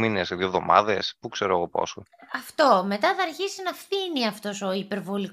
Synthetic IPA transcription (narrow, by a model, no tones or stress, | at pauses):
mineseðjovðo̞mɐ̰ðe̞spukseɾoeɣo̞po̰soɐft̪o̞me̞t̪ɐθɐɾçisinɐfθiniɐft̪o̞soipe̞ɾvo̞li